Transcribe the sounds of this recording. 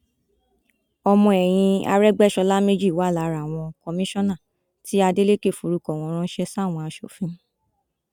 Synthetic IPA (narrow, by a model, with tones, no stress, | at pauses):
ɔ˧mɔ̃˧ɛ˨j̃ĩ˧a̰˧ɾɛ˦ɡ͡bɛ˦˨ʃɔ˧la˦me˦d͡ʒi˦˨wa˨˦˨la˨˧ɾa˨w̃ɔ̃˧kɔ˧mĩ˦ʃɔ̃˦nã˦˨ | ti˦a˧de˦le˦˨ke˦˨fu˨ɾu˨˧kɔ˨w̃ɔ̃˧˦ɾ̃ɔ̃˦ʃɛ˧sa˦˨w̃ɔ̃˧a˧ʃo˨fĩ˦